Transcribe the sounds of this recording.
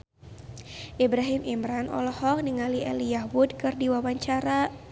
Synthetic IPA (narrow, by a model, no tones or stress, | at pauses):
ʔibɾaɦimʔimɾanʔɔ̰lɔhɔk̚niŋaliʔɛ̰lijahwudkɨrdiwawaɲt͡ʃaɾa